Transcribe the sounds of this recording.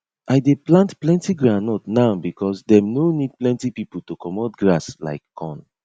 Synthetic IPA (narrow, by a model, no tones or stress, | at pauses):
ʔajdeplãntplɛ̃ntiɡɹanɔtnaʊbikʰɔsdɛ̃mnonid̚plɛ̃ntipipəl̩tukɔmɔdɡɹasla̰ɪkːɔ̃n